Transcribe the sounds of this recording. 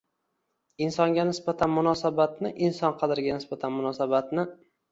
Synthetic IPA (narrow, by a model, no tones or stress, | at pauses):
ɪnsɒŋɡʲanɪsbat̪ʰanmʊnɒsabat̪nɪʔɪnsɒnqʰɑd̪ɪɾɡʲanɪsbat̪ʰanmʊnɒsabat̪nɪ